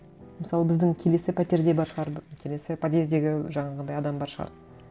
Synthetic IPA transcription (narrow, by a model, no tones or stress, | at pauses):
məsɑlˠəbɪzd̪ɪŋkʲʰe̞le̞sɪpʰæt̪e̞ɾd̪ebɑɾʃəʁɑɾbkʲʰe̞le̞sɪpʰat̪e̞zd̪e̞ɡʲɪʒɑɴɑʁənd̪ɑjɑd̪ɑmbɑɾʃəʁɑ̰ɾ